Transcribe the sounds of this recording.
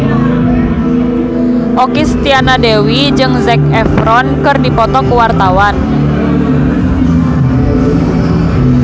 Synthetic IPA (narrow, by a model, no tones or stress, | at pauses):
ʔokist̪ianadewi | d͡ʒɨŋzɛk̚ɛfɾɔnkɨrdipɔt̪ɔkəwart̪awan